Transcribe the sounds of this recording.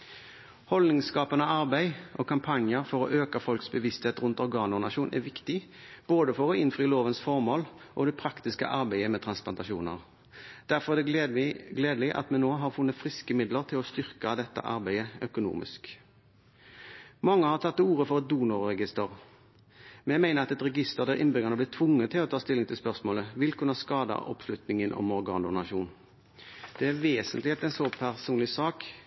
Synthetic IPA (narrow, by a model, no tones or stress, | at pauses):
hɔlnɪŋskɑːpənəɑʁbæɪʔɔkʰɑmpʰɑnjəɾfɔʁɔ̰ʔøːkɑfɔlksbəʋɪst̪heːt̪ʁʉnt̪ɔɾɡɑːnʊnɑʃuːnʔæ̰ʋɪkt̪ɪb̥oːd̪əfɔʁɔɪnfɾiːloːʋənsfɔʁmoːl | ʔɔd̪ɛpʰɾɑkt̪ɪskə̰ʔɑɾbæɪəmɛːt̪ʰʁɑnsplɑnt̪ɑʃṵːnə̰ʁ | d̪̥æʁfɔʁd̪ɛɡleːd̪lɪʔɑ̰t̪mɛnːoːɦɑʁfʉnːət̪fʁɪskəmɪd̪ləʁt̪ʰɪlɔst̪ʏʁkɑd̪ɛt̪ːə̰ʔɑɾbæɪəœkʊnṵːmɪ̰sk | mɑŋːəhɑʁt̪ʰɑt̪ːuːɾəfɔʁɛt̪̚d̪uːnʊɾːɛɡɪst̪əʁ | mɛnɛmæɪnəʁɑt̪ɛt̪ʁɛɡɪst̪əʁd̪æʁʔɪ̰nbʏɡənəblɪːt̪ʰʋʊŋːət̪ʰɪlɔt̪ʰɑːst̪ɪlːɪŋt̪ɪlspœʁsmoːləʋɪlkʉnːɑskɑːd̪ɑ̰ʔɔ̰pslʉt̪nɪŋənʔɔ̰mɔɾɡɑ̰ːnd̪ʊnɑʃuːn | d̪̥ɛæɾʋeːsənt̪lɪeːt̪ɛɪnsɔpʰæʁsuːnlɪsɑːk